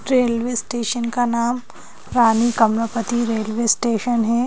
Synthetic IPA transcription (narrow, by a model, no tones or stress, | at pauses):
ɾeːlʋeːsʈeːʃənkanaːm | ɾaːnikɐmɾəpət̪iɾeːlʋeːsʈeːʃənɦɛː